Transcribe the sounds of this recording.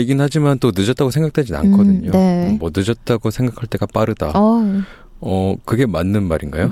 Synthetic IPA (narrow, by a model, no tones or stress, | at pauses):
eɡinɯnhad͡ʑimant͈onɯd͡ʑʌt͈aɡosʰeŋɡak̚t͈wed͡ʑina̰nkʰʌdɯɲoemwʌnɯd͡ʑʌt̚t͈aɡosʰe̞ŋɡakʰaɭt͈e̞ɡap͈aɾɯda̰ | ʌkɯɡe̞manːɯnmaɾinɡa̰jo